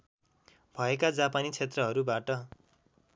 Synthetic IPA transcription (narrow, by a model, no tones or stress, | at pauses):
b̥ʱʌekad͡zapanit͡sʰet̪rʌɦʌɾubaʈʌ